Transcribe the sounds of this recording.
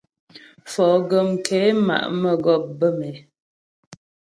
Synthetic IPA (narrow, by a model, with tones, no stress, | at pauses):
fɔː˨ɡə˨mkʰɛ˨˦ma̰˨ʔmə˦˨ɡɔ˦˨p̚bə˦˨mɛ˨˦